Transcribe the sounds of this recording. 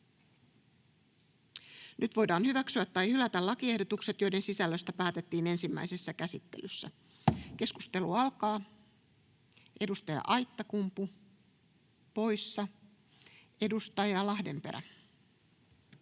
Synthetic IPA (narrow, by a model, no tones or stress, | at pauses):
nʔyt̪ʋo̞jdɑːnhyʋæksyæt̪ːɑjhylæt̪ælɑkie̞hdot̪ukse̞t̪jo̞jde̞nsisælːøst̪æpæːt̪e̞t̪ːiːne̞nsimːæ̰ijse̞sːækæsit̪ːe̞̰lysːæ̰ | ke̞skust̪e̞luɑlkɑː | ʔe̞dust̪ɑjɑ̰ʔɑjt̪ːɑkumpu | po̞jsːɑ | e̞dust̪ɑjɑlɑhde̞mpe̞̰ɾæ̰